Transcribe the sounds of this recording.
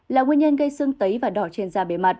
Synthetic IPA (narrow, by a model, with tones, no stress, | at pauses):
laː˨˩ŋwi˧ənɲə˧nɣə˧jsɨ˧əŋt̪ə˨˦jvaː˨˩ɗɔ˧˩t͡ɕe˧nzaː˧ɓe˨˦ma˨˩t̚